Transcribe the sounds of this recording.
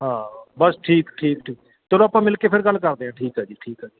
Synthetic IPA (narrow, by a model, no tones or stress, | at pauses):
ɦãːbəsʈʰiːkʈʰiːkʈʰiːk | t̪elõːapãːmɪlkeːpʰɪɾɡəlːkəɾd̪eːɦãːʈʰiːkɦɛːd͡ʒiːʈʰiːkɦaːd͡ʒiː